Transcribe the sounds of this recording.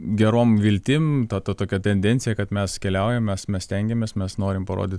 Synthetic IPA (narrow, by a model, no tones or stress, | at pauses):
ɡʲɛɾoːmʋʲɪlʲt̪ʲɪmt̪ɐt̪ɐt̪oːkʲɛt̪ʲɛnʲd̪ʲɛnʲtsʲɪjɛkɐt̪mʲɛskʲɛlʲɛʊjɛmmʲɛsmʲɛsʲt̪ʲɛŋʲɡʲɛmʲeːsmʲɛsnoːɾʲɪmpɐɾo̰ːd̪ʲɪt̪